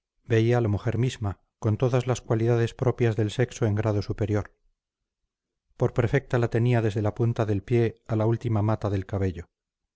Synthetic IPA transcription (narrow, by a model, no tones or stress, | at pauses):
be̞ialamuxe̞ɾmizma | ko̞nt̪o̞ðazlaskwaliðað̞e̞spɾo̞pjazðe̞lse̞kso̞e̞ŋɡɾað̞o̞supe̞ɾjo̞ɾ | po̞ɾpɾfe̞k̚t̪alat̪e̞niaðe̞zðe̞lapunt̪aðe̞lpje̞alault̪imamat̪aðe̞lkaβ̞e̞ʎo̞